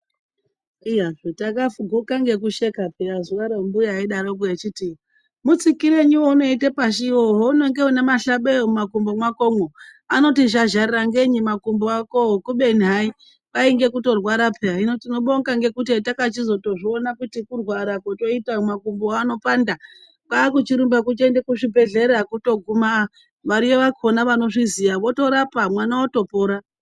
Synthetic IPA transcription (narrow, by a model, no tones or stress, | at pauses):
iwaʐotakafuɡʱokaŋɡe̞kuʃekapeɾazuʋaɾembujeaiɗaɾok̬uet͡ʃiti | mut͡sikiɾe̞ɲuwouno̞itepaʃ̬ioɦouno̞ŋɡeonemaɬaɓeomumakumbomwakomoano̞tiʒaʒariraŋɡeɲimakumboakoɦokuɓe̞nɦai | paiŋɡe̞kuto̞rwaɾapʰeainotino̞ɓoŋɡaŋɡe̞kut̬etakat͡ʃizo̞to̞ʐionakutikurwaɾakoto̞itaomakumboano̞panda | kaːkut͡ʃiɾumbak̬ut͡ʃendekuʐibʱe̞ɮe̞ɾakuto̞ɡʱuma | ʋaɾijeʋakonaʋano̞ʐizijaʋo̞to̞ɾapamwanawoto̞poːɾa